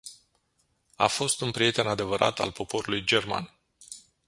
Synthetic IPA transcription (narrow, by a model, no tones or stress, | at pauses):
a̰fo̞st̪unpɾije̞t̪e̞nad̪e̞vəɾʔa̰t̪a̰lpo̞po̞ɾulujd͡ʒe̞rma̰n